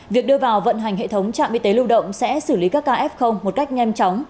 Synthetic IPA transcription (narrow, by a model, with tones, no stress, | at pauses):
vi˨˩ək̚ɗɨ˧əvaː˨˩wvə̰˧˨nɦa˨˩jŋ̟ɦhḛ˧˨t̪ʰə˨˦wŋ͡mt͡ɕa̰ː˧˨mʔi˧t̪e˨˦lu˧wɗə̰˧˨wŋ͡msɛ̰˧˥sɨ˧˩li˨˦kaː˦˥kːaː˧ʔɛ˦˥p̚xə˧wŋ͡mːo˨˩t̚ka˦˥jk̟̚ɲa˧jmt͡ɕɔ˨˦wŋ͡m